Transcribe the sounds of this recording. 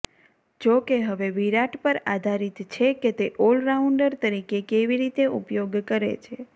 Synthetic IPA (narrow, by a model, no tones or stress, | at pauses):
d͡ʒokeɦəʋeʋiɾaʈpəɾad̪ʱaɾit̪t͡ʃʰeket̪eʔolɾauɳɖəɾt̪əɾikekeʋiɾit̪eʔṵpjoɡkəɾḛt͡ʃʰe